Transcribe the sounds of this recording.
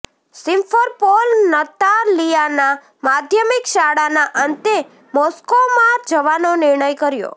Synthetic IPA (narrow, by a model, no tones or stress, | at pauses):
sɪ̃mfʰəɾpolnət̪alijana | mad̪ʱjəmikʃaɽanaʔənt̪e | mɔskomaɾd͡ʒəʋanonɪɾɳəjkəɾjo̰